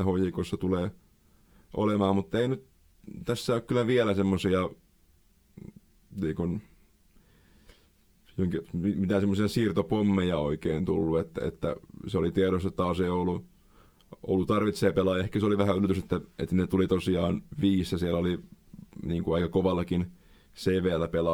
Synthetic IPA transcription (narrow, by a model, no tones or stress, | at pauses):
æhojikosːɑt̪uleː | ʔo̰lemɑːmmut̪ːeinyt̪ | t̪æsːæokkylːˑæʋiælæsemːosiɑ | niːŋkun | joiŋkiimit̪æsemːosiɑsiːrt̪opomːejɑo̰ikeːnt̪ulːuet̪ːæ̰ḛt̪ːæ̰seolit̪ieɾost̪ɑtt̪ɑːseijolːˑu | o̰lːut̪ɑrʋit̪seːpelɑːjɑehkæsoliʋæhæylːøt̪yset̪ːæḛt̪ːnet̪ulit̪osiɑːnʋiːsjɑsiælːæoli | niːŋkuɑikɑkoʋɑlːɑkin | seːʋeːlːæpelɑ